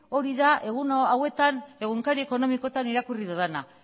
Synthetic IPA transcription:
o̞ɾiðaʔe̞ɣ̞unoawe̞t̪ane̞ɣuŋkaɾie̞ko̞no̞miko̞t̪aniɾakuriðuðena

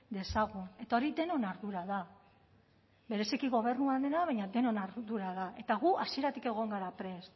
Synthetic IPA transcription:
d̪e̞saɣune̞t̪ao̞ɾid̪e̞no̞naɾðuɾaða | βe̞ɾe̞sikiɣo̞β̞e̞ɾnuaðe̞naβaɲad̪e̞no̞naɾðuɾaðae̞t̪aɣuasie̞ɾat̪ike̞ɣ̞o̞ŋɡaɾapɾe̞s

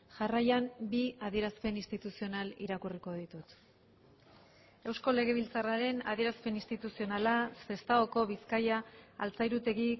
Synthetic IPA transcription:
ʝarajambiaðie̞ɾaspe̞nist̪it̪usio̞nalḭɾakuriko̞ð̞it̪ut̪ | e̞wsko̞le̞ɣ̞e̞β̞ilt͡saraɾe̞na̰ð̞ie̞ɾaspe̞nist̪it̪usio̞nalase̞st̪aoko̞βiskajaːlt͡sajɾut̪e̞ɣi

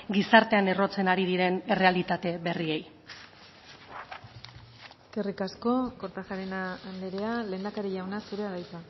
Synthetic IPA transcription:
ɡisaɾt̪e̞ane̞ro̞t͡se̞naɾið̞iɾe̞ne̞re̞alit̪at̪e̞βe̞rie̞j | eske̞rikasko̞ko̞ɾt̪axaɾenaːnd̪eɾe̞ale̞ːnd̪akaɾiʝawnasuɾe̞aɣajt͡sa

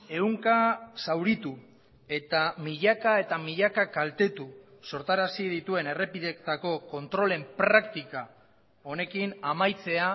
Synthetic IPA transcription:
e̞uŋkasawɾit̪u | e̞t̪amiʎakae̞t̪amiʎakakalt̪e̞t̪uso̞ɾt̪aɾasið̞it̪ue̞ne̞re̞piðekt̪ako̞ko̞nt̪ɾo̞le̞mpɾakt̪ika | o̞ne̞kinamajt͡se̞a

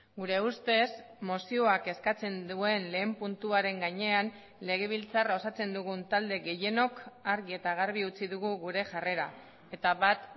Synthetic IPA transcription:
ɡuɾe̞ust̪e̞s | mosio̞ake̞skat͡se̞nd̪ue̞nle̞ːmpunt̪uaɾe̞ŋɡaɲe̞an | le̞ɣ̞e̞β̞ilt͡sarao̞sat͡se̞nd̪uɣ̞unt̪ald̪e̞ɣe̞je̞no̞kaɾɣie̞t̪aɣaɾβ̞iut͡siðuɣuɣuɾe̞ʝare̞ɾa | e̞t̪aβat̪

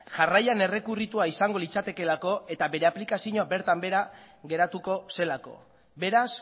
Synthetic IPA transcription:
ʝarajane̞re̞kurit̪uaisaŋɡo̞lit͡sat̪e̞ke̞lako̞e̞t̪abe̞ɾe̞aplikasiɲoabe̞ɾt̪ambe̞ɾa | ɣe̞ɾat̪uko̞se̞lako̞̰ | be̞ɾas

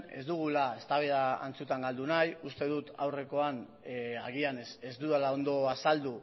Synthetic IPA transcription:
ezd̪uɣ̞ulae̞st̪aβeðaa̰nt͡sut̪aŋɡald̪unajust̪e̞ðut̪a̰wre̞ko̞an | aɣianese̞zd̪uðalao̞nd̪o̞asald̪u

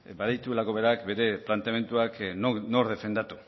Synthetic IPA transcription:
baðit̪uelako̞βe̞ɾakbe̞ɾe̞plant̪eame̞nt̪uaknno̞ɾðe̞fe̞nd̪at̪u

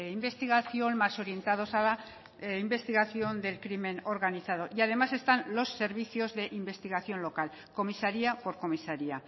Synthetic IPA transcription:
imbe̞st̪iɣ̞aθjo̞nmaso̞ɾje̞nt̪að̞o̞sala | imbe̞st̪iɣaθjo̞nd̪e̞lkɾimẽ̞no̞ɾɣaniθað̞o̞ʔiað̞e̞mase̞st̪anlo̞sːe̞ɾβiθjo̞zðe̞ʔimbe̞st̪iɣ̞aθjo̞nlo̞kal | ko̞misaɾiapo̞ɾko̞misaɾia

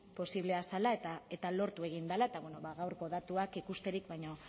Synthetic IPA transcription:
po̞siβle̞asalaet̪ae̞t̪alo̞ɾt̪ue̞ɣ̞ind̪alae̞t̪aβweno̞βaɣawɾko̞ðat̪uakikust̪e̞ɾikβajɲo̞

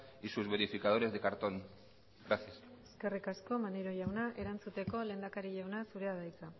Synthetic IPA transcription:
isuzβe̞ɾifikað̞o̞ɾe̞zðe̞kaɾt̪o̞n | ɡɾaθiase̞ske̞rikasko̞maneɾo̞ʝawnaʔe̞ɾant͡sut̪e̞ko̞le̞ːnd̪akaɾiʎawnasuɾe̞aðajt͡sa

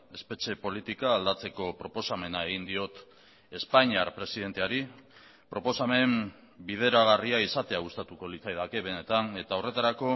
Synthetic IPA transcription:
e̞spe̞t͡ʃe̞po̞lit̪ikaːld̪at͡se̞ko̞pɾo̞po̞same̞nae̞ɣ̞ind̪io̞t̪ | e̞spaɲiaɾpɾe̞siðe̞nt̪e̞aɾi | pɾo̞po̞same̞m | bið̞e̞ɾaɣ̞ariaisat̪e̞aɣust̪at̪uko̞lit͡sajðake̞βe̞ne̞t̪ane̞t̪aore̞t̪aɾako̞

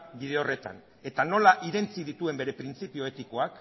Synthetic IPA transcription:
bið̞e̞ore̞t̪a̰n | e̞t̪ano̞laʔiɾe̞nt͡sið̞it̪ue̞mbe̞ɾe̞pɾint͡sipio̞et̪iko̞ak

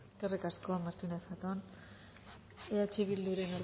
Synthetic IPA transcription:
eske̞rikasko̞maɾt̪inesat̪on | eat͡ʃiβ̞ild̪uɾe̞nol

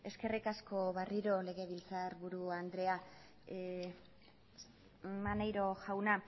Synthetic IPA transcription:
e̞ske̞rikasko̞βariɾo̞le̞ɣ̞e̞βilt͡saɾβuɾuand̪ɾe̞a | manejɾo̞ʝawna

